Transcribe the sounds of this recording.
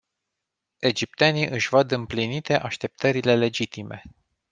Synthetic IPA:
e̞d͡ʒip̚t̪eniʔɨʃʲvəd̪ɨmplinit̪e̞ʔaʃt̪e̞p̚t̪ʰəɾile̞le̞d͡ʒit̪ime̞̰

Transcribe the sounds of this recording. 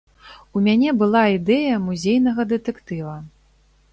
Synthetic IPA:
umʲanʲɛbɨlˠaid̪ɛjɐmuzʲejnɐɣɐd̪ɨt̪ɛkt̪ɨvɐ

